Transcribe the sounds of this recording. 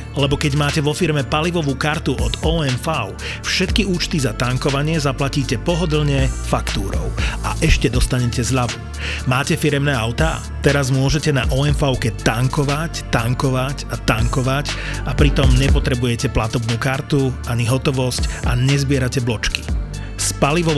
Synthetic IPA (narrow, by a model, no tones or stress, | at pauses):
lɛbɔkɛɟmaːcɛʋɔfiɾmɛpaliʋɔʋuːkaɾt̪uʔɔd̪ɔːɛnfaʊ | fʃɛt̪kiuːt͡ʃt̪izat̪aŋkɔʋaɲɪɛzaplaciːcɛpɔɦɔd̪l̩ɲɛfakt̪uːɾɔ̰ʊaʔɛʃcɛd̪ɔst̪aɲɛcɛzʎaʋu | maːcɛfiɾɛmnɛːaʊt̪a̰ | t̪ɛɾazmʊɔʒɛcɛna̰ʔɔɛnfaʊkɛt̪aŋkɔʋact̪aŋkɔʋacat̪aŋkɔʋacapɾit̪ɔmɲɛpɔt̪ɾɛbujɛcɛplat̪ɔbnuːkaɾt̪uʔaɲiɦɔt̪ɔʋɔscʔaɲɛzbɪɛɾacɛblɔt͡ʃki̥ | spaliʋɔ